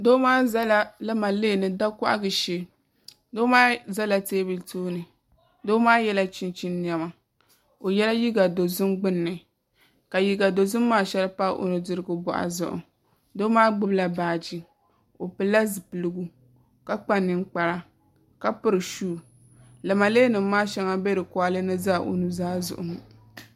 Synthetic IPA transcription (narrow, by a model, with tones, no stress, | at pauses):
doː˦maː˦za˦la˦lɨ˦ma˨le˦˨nɨ˨da˦kɔ˦ʔa̰˦ɡɨ˨ʃe˦ | doː˦maː˦za˦la˨teː˦bɨ˨ltoː˦nɨ˨ | doː˦maː˦jɛ˦la˦t͡ʃi˦nt͡ʃi˦nːi˨ɛ˦ma˨ | o˨jɛ˦la˦ji˦ɡa˨do˨zʊ˦mɡ͡bɨ˦nːɨ˨ | ka˨ji˨˦ɡa˨do˨zʊ˦mːaː˦˨ʃɛ˦lɨ˦pa˦ʔo̰˨nɨ˨dɨ˦ɾɨ˦ɡʊ˦bɔ̰˨ʔa̰˨zʊ̰˨ʔʊ̰˨ | doː˦maː˦ɡ͡bɨ˦bla˨baː˨d͡ʒi˦ | o˨pɨ˨lːa˦zɨ˨pɨ˨lɨ˦ɡu˦ | ka˦k͡pa˦nːɨ˨k͡pa˨ɾa˦ | ka˦pɨ˦ɾɨ˨ʃuː˦˨ | lɨ˨ma˨leː˦nɨ˨mː˦aː˦ʃɛ˦ŋa˦be˦dɨ˨kwa˦lɨ˦nɨ˦zaː˦˨ʔo̰˨nu˦zaː˦zʊ̰˨ʔʊ̰˨mɨ˨